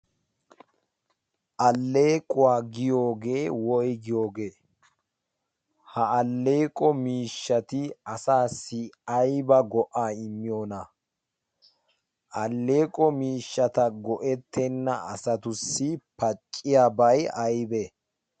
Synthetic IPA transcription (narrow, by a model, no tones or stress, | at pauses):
ʔɐlːe̞ːkʼʊwaːɡɪjo̞ːɡe̞ːwɔjɡɪjo̞ːɡe̞ː | hɐɐlːe̞ːkʼɔmiːʃːɐt̪ɪɐsaːsːɪɐjbɐɡɔʔaːɪmːɪjo̞ːnɐ | ʔɐlːe̞ːkʼɔmiːʃːɐt̪ɐɡɔʔɛt̪ʰːɛnːɐɐ̰sɐt̪ʊsːɪpɐt͡ʃʼːɪjaːbɐjɐjbe